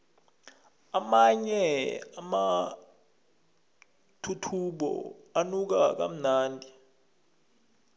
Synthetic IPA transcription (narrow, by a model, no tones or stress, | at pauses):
amaɲɛama | tʰutʰuɓɔ̰anuk̬ak̬a̰m̩naːndʱi